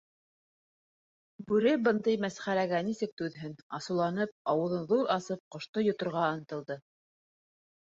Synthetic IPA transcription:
bʉɾɘbɤnd̪ɤjmæsχæɾæɡænisɘk̚t̪ʉðɦɘnɑsɤ̆wlˠɑnɤp̚ɑwɤ̆ðɤnðuɾɑsɤp̚qŏʃt̪ojŏt̪ŏɾʁɑɤ̆nɤ̆t̪ɤ̆lˠd̪ɤ

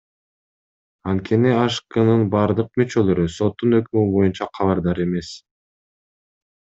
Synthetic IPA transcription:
ɑnt̪̚kʰe̞niɑʃkɯnɯnbɑɾd̪ɯq̚myt͡ʃø̞lø̞ɾyso̞t̪ːunø̞kymybo̞junt͡ʃɑqʰɑβɑɾd̪ɑɾe̞me̞s

